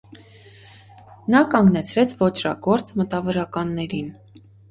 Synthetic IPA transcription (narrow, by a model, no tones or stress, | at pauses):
nɑkɑŋɡnɛt͡sʰɾɛt͡sʰvɔt͡ʃʰrɑ̰ɡɔɾt͡smət̪ɑvɔɾɑkɑnːɛɾin